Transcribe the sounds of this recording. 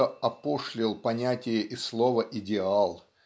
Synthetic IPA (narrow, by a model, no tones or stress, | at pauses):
əɐpoʂlʲɪlˠpɐnʲætʲɪjəʔɪslˠovəʔɪdʲɪalˠ